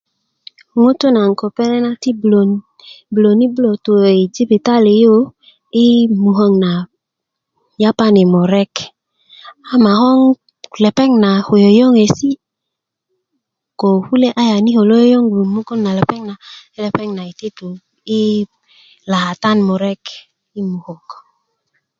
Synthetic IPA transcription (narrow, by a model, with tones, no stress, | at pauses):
ŋo˦to˦na˨ŋ˨ko˨pɛ˦nɛ˦na˦ti˦blo˨n | blo˨ni˦blo˨to˨e˨d͡ʒi˦bi˨ta˦le˨jo˦ | i˦mu˨ɦɔ˦ŋna˨ | ja˦pa˦ne˨mo˨ɾɛ˦k | a˦ma˨hɔ˦ŋ | lɛ˨pɛ˦ŋna˨ho˨jo˨jɔ˦ŋe˨si˦ | ko˨hu˦le˦ʔa˦ja˨ni˦ho˨lo˦jo˦jɔ˦ŋɡu˨mu˦ko˦nna˨lɛ˨pɛ˦ŋna˨i˦lɛ˨pɛ˦ŋna˨i˨te˦to˨ | i˦ | la˨ha˨ta˦nmo˨ɾɛ˦k | i˦mu˨ho˨k